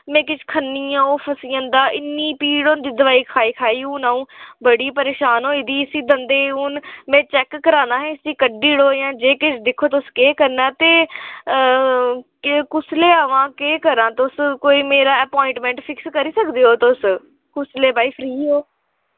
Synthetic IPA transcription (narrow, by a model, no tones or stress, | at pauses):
mɛ̃ːkɪt͡ʃʰkʰənːiːãːoːpʰəsiːə̃nd̪aːʔɪnːiːpiːɽoːnd̪iːd̪əʋaːiːkʰaːiːkʰaːiːũːnaːũːbəɽiːpəɾeːʃaːnɦoːɪd̪iːɪsiːd̪ənd̪eːuːnmɛ̃ːt͡ʃɛːkːəɾaːnaːɦɛ̃ːɪsiːkəɖiːɽoːjãːd͡ʒeːkɪt͡ʃʰd̪ɪkʰːoːt̪eʊskeːkəɾnãːt̪eː | kʊsleːaʋãːkeːkəɾãːt̪ʊskoːiːmeːɾaːəːpɔːɪ̃ɳʈmɛ̃ːɳʈpʰɪkskəɾiːsəkd̪eːoːt̪ʊs | kʊsleːbaːiːpʰɾiːɦoː